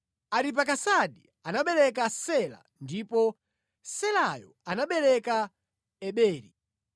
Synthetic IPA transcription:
aɾip̬akasaɗi | anaɓɛlɛkasɛla̰ | ndipɔ | sɛlajɔ̰anaɓɛlɛka | ɛɓɛːɾi

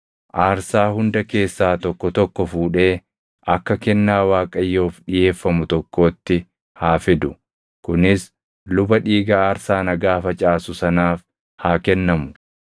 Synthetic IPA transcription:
ʔaːɾsaːhʊnd̪ɐke̞ːsːaːt̪ɔkːɔt̪ɔkːɔfuːᶑe̞ː | ʔɐkːɐkɛnːaːwaːkʼɐjːo̞ːfᶑɪje̞ːfːɐmʊt̪ɔkːo̞ːt̪ːɪ | haːfɪd̪ʊ | kʊnɪs | lʊbɐᶑiːɡaːɐɾsaːnɐɡaːfɐt͡ʃʼaːsʊsɐnaːf | haːkɛnːɐmʊ

